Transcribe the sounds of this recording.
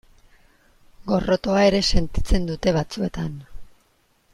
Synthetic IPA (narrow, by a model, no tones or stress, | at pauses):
ɡo̞ro̞t̪o̞ae̞ɾe̞se̞nt̪i̥t͡se̞nd̪ut̪e̞βat͡sue̞t̪an